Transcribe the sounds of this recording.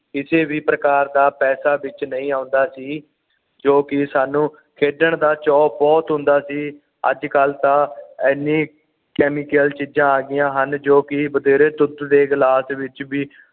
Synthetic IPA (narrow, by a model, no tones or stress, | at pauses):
ɪseːʋiːpɾəkaːɾd̪aːpɛːsaːbɪt͡ʃnəĩːaːʊnd̪aːsiː | d͡ʒoːkɪsaːnũː | kʰeːɖəɳd̪aːt͡ʃɔːbɔːt̪ɦʊ̃nd̪aːsiː | ə̰d͡ʒkəlt̪ãːɛnːĩː | kɛːmiːkəlt͡ʃiːd͡ʒãːaːɡɪjãːɦənd͡ʒoːkɪbəd̪eːɾeːt̪ʊt̪d̪eːɡlaːsʋɪt͡ʃbiː